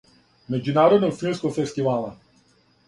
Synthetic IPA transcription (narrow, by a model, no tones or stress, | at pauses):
med͡ʒunaːɾod̪nɔɡfilˠmskoɡfest̪ivala